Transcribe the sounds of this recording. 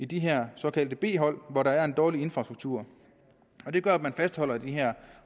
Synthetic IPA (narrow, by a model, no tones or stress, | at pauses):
id̥iɦɛɐ̰sɒ̽kʰæld̥əb̥e̝̰ːɦɒ̽l̰ʋɒɾɑ̈æɐe̝nd̥ɒːlie̝nfʁɑ̈sd̥uɡ̥̚t͡sʰuɐ̰ | ɒ̽d̥e̝ɡ̥ɶɐæ̥mænfæsd̥hɒ̽l̰ɐd̥iɦæɐ̰